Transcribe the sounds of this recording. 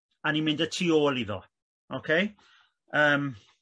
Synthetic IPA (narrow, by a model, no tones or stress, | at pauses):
animɪ̃ndətʰiːoːlˠiðɔ̰ | ʔokʰej | əːm